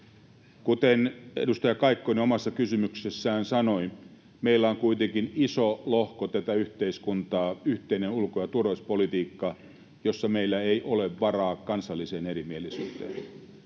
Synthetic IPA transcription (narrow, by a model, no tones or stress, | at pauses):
kut̪enḛdust̪ɑjɑkɑikːoniomɑsːɑkysymyksesːæːnsɑno̞i | meilːæoŋkuit̪eŋkinisolohkot̪æt̪æyht̪eiskunt̪ɑːyht̪einenulkojɑt̪urʋospolit̪iːkːɑ | jo̞sːɑmeilːæeiʔoleʋʋɑrɑːkɑnsɑlːiseːneɾimielisy̰ːt̪ḛːn